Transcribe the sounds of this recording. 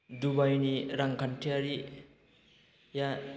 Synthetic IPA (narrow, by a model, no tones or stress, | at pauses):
dubajuniɾaŋkʰantʰiaɾi | ja